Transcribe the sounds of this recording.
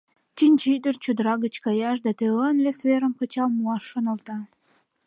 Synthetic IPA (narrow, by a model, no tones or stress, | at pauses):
t͡ɕinʲt͡ɕid̪ərt͡ɕud̪əɾɑɡə̆t͡ɕkɑjɑʃd̪ɑt̪eənvesveɾəmkə̆t͡ɕɑlmuɑʃːonə̆lt̪ɑ